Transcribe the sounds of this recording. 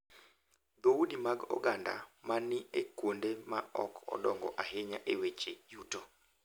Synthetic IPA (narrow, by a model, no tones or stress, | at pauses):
d̪oudimaɡɔ̰ɡanda̰manɪekwondemaɔkɔ̰dɔŋɡɔ̰ʔaɦɪɲaʔewet͡ʃejuto